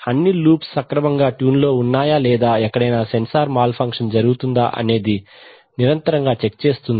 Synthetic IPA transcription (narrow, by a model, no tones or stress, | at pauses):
ɐnːiluːpsːɐkɾɐmɐŋɡaːʈjuːnlo̞ːunːaːjaːlɛːd̪aːɛkːɐɽɐjnaːsensaːɾmaːlpʰɐŋkʂɐnd͡ʒɐɾuɡut̪und̪a̰ːʔɐ̰ne̞ːd̪i | niɾɐnt̪ɐɾɐŋɡaːt͡ʃek̚t͡ʃe̞ːst̪und̪ii